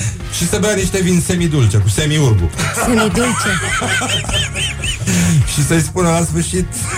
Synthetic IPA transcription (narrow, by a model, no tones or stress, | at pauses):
ʃisəbeaniʃt̪evinsemid̪ult͡ʃekusemiurbṵsemid̪ult͡ʃe | ʃisəjspunəlasfɨrʃit̪